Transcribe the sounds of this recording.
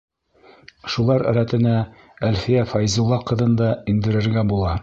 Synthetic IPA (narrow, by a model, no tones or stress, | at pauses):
ʃulˠɑɾæ̰ɾæt̪ɘ̆næ | ælfijæfɑjzulˠːɑqɤ̆ðɤnd̪ɑind̪ɘ̆ɾɘ̆ɾɡæbulˠɑ